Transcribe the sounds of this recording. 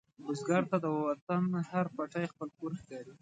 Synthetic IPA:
bʊzɡɑɾt̪ad̪əwwat̪anhaɾpaʈajxpəlkoɾxkɑɾi

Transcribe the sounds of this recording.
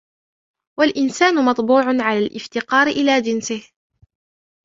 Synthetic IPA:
walʔɪnsaːnʊmɑt̪ˤbuːʕʊnʕalaːlʔɪft̪ɪqɑːɾɪʔɪlaːd͡ʒɪnsɪh

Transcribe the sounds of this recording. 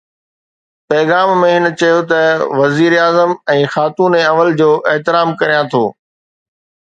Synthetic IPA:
pɛːɣaːmːẽɦɪnət͡ɕɐjot̪ɐʋɐziːɾeaːzəmɛ̃ːxaːt̪uːneɐʋəld͡ʑoːʔeɦt̪ɪɾaːmkɐɾijãt̪ʰoː

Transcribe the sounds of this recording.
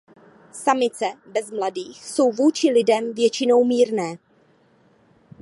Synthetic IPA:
samɪt͡sɛbɛzmladiːxso̞wvuːt͡ʃɪlɪdɛmvjɛt͡ʃɪno̞wmiːɾnɛː

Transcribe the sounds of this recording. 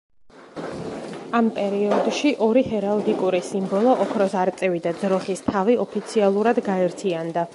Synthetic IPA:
ampʼɛɾiɔd̪ʃiʔɔɾihɛɾald̪ikʼuɾisimbɔlˠɔʔɔkʰɾɔsaɾt̪sʼɛvid̪ad̪zɾɔχist̪ʰaviɔpʰit̪sʰialˠuɾad̪ɡaɛɾt̪ʰiand̪a

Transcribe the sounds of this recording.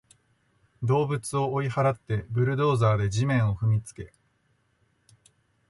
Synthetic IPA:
d̪o̞ːbɯ̟t͡sɨo̞ːihaɾat̪ːe̞bɯ̟ɾɯ̟d̪o̞ːzaːd̪e̞ʑimẽ̞ɰ̃o̞ɸɯ̟mʲit͡sɨ̥ke̞

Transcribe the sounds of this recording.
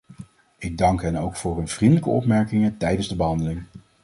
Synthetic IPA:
ɪɡ̚dɑŋkɦɛnowkfʊːɹɦɵnv̥rindələkəɔ̰pmɛɹkɪŋətɛjdənzdəbəɦɑndəlɪŋ

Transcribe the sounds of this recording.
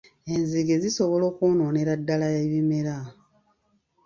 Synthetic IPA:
e̞nziɡe̞ziso̞βolo̞ːkunoːneɾadːalajeβime̞ɾa

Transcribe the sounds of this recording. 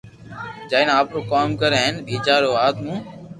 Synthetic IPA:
d͡ʒaːinaːpɾoːkaːmkəɾeɦenbʱiːt͡ʃaːɽoːaːt̪ʰmũː

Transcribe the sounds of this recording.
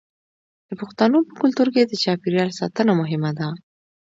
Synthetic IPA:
d̪̥əpʊxt̪anopəkʊlt̪uɾked̪ət͡ʃɑpɪɾjɑlsɑ̰t̪ənamʊɦɪmad̪a

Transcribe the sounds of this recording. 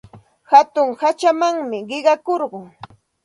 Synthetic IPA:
hat̪ʊŋhat͡ʃamaŋmɪɢɪɢɑkoɾɢʊŋ

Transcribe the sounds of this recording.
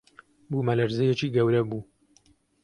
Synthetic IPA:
bumɐlɐɾzɛjɛt͡ʃiːɡɐwɾɐbuː

